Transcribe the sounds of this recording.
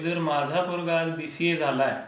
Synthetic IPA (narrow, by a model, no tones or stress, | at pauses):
d͡zəɾmad͡zʱapuɾɡalb̪isjed͡zʱalaj